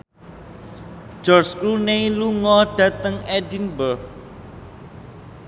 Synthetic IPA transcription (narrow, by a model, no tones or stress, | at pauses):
d͡ʒ̥ɔrskɾuneluŋɔɖ̥ä̤t̪əŋɛdinbə